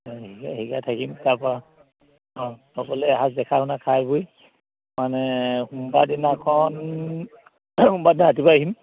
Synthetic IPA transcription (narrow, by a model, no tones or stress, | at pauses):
iɡahiɡatʰakimtapɔɹa | ɔ̃ | ɔkɔlɛɦasdɛkʰahunakʰajbuj | manɛhumbadinakʰɔn | humbadinaɦatibaɦim